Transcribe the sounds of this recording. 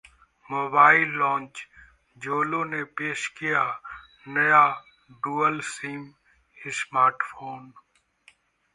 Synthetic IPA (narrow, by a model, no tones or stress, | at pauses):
moːbaːɪlːɔ̃ːnt͡ʃ | d͡ʒoːlõːneːpeːʃkɪjaː | nəjaː | ɖuːəlsiːm | ɪsmaːɾʈfoːn